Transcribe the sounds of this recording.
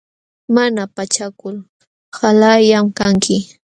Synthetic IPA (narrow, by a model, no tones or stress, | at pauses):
manapat͡ʃakʊl | halajamkaŋkʰɪ